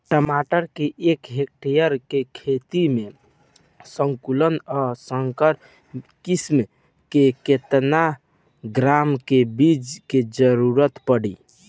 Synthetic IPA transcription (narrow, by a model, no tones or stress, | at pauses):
ʈəmaʈəɾkeʔːkɦek̚ʈijəɾkekʰet̪ime | səŋkulənəsəŋkəɾ | kism | keket̪na | ɡɾamkebid͡ʒked͡ʒəɾuɾət̪pəɽḭ